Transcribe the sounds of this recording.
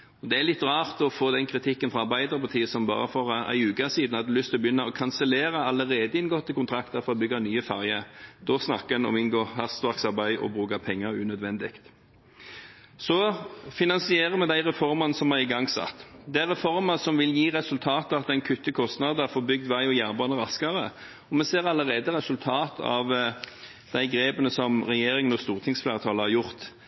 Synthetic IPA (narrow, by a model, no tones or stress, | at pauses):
ɔd̪ɛæɾlɪt̪ːʁɑːʁt̪ɔfoːd̪ɛnkʰɾɪt̪ʰɪkːənfɾɑɑɾbæɪd̪əʁəpʰɑʁt̪ʰiːəsɔmbɑ̰ːɾəfɔɾæ̰ɪʉːkɑsiːd̪nhɑd̪ɛlʏst̪ʰɪlɔbjʏnːɑɔkʰɑnsəleːɾəɑləʁeːd̪əɪnɡoːt̪ʰːɪkʊnt̪ʰɾɑkt̪əfɔɾɔbʏɡɑnyːəfæɾjəd̪̥ɔsnɑ̰kːəɛnɔ̰mɪnɡoːhɑst̪ʋɑʁksɑɾbæɪʔɔ̰bʁʉːkɑpʰɛŋːəɾʉːnœd̪ʋɛnd̪ɪkt̪ | sɔfɪnɑnsɪeːɾəmɛd̪æɪʁɛfɔɾmɑnəsɔmhɑɪɡɑŋːsɑ̰t̪ːd̪ɛæʁɛfɔɾmɑsɔmʋɪljiːʁɛsʉlt̪ʰɑːt̪əɑt̪ɛɪnkʰʉt̪ːəkʰɔst̪nɑd̪əæfoːbʏɡ̚d̪ʋæɪɔjæːʁbɑnəɾɑskɑʁə | ɔmɛseːɾɑləʁeːd̪əɾɛsʉlt̪ʰɑːt̪ʰɑ̰ʋ | d̪̥æɪɡɾeːbənəsɔmʁɛjeːɾɪŋənɔst̪uːʁt̪ʰɪŋsflæːʁət̪ʰɑːləhɑɾjʊʁt̪